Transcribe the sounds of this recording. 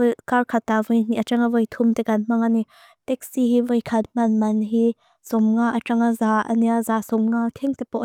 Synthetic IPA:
karkʰat̪ːavəjn̥iʔat͡ʃaŋavəjt̪ʰumt̪ɛkanm̥aŋani | t̪ɛk̚siɦivəjkʰɐt̪̚m̥anmɐnɦi | sɔmŋaʔaʈ͡ʂaŋazaʔa̰niazasɔmŋat̪ʰɛŋt̪ɛpɔʔ

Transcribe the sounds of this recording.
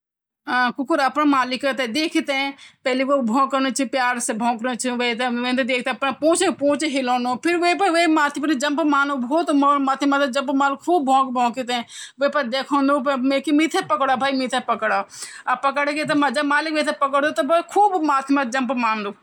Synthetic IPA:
ãkʊkʊɾɐpnamaːlɪkət̪ed̪eːkʰit̪ẽpɛːleʋobʱõːkəɾnot͡ʃʰipjaːɾsebʱõːkɾõt͡ʃʰiʋet̪eʋẽt̪ːd̪eːkʰt̪eɐpnapõːt͡ʃpõːt͡ʃɦɪlõːnopʰɪɾʋepɐʋemaːt̪ʰipɐnd͡ʒɐmpmaːnobʱoːt̪momaːt̪ʰimat̪ed͡ʒɐ̃mpmaːlɪkkʰuːbːʱõːkbʱõːkit̪ẽːʋepɐɾd̪eːkʰõːnd̪opmekimit̪ʰepəkɽaːbʱaːimit̪ʰepəkɽaːapəkəɽket̪̬emad͡ʒɐmaːlɪkʋet̪ʰepəkəɽd̪ot̪obokʰuːbmaːt̪ʰmad͡ʒɐmpmaːnd̪oː

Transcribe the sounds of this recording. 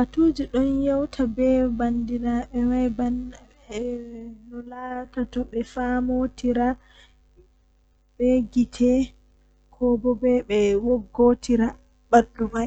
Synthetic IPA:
ʔatud͡ʒiɗɔnjawtʰabɛbandinaɓɛwajban | nɔlatatɔɓɛfamotiɾa | bɛɡitʰɛ | kʰɔbɔbɛɓɛwoɡːotʰiɾa | badumaj

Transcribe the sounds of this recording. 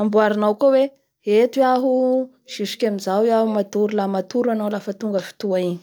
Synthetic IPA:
ambuaɾinawkowe | et̪iaɦu | ʃiʃu̥kʲamizawjaɦumat̪uɾulamat̪uɾanawlafət̪uŋɡəfi̥t̪uaiɲi̥

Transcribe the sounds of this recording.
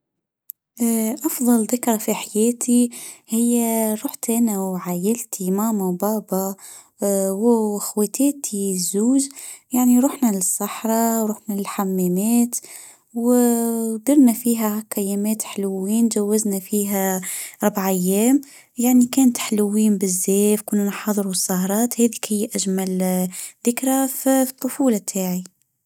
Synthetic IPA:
ʔʔɑfðˤɑlðɪkɾˤɑfiħajɛːt̪ʰihɪjːaɾˤuːħt̪ʔɪnawʕaːjɪlt̪ʰimaːmabɑːbɑ | wɪxweːt̪eːt̪ʰizuːʒjaʕniɾˤuːħnalɪsˤːɑħɾˤɑɾuːħnallħamːæːnæːt̪ | w | d̪ɪɾnæfiːɦækæjːæːmɛːt̪ħlʊwiːnd͡ʒæwːaznæfiːɦæɾˤbaʕʔajːɛːm | jaʕnikɛːnt̪ħlʊwːiːmbɪzːɛːfkʊnːunħɑðˤɾusˤːɑhɾˤɑːt̪hɛːðikhɪjːʔæʒmælðɪkɾaft̪ˤːʊfuːlɑt̪ʰaːʕi

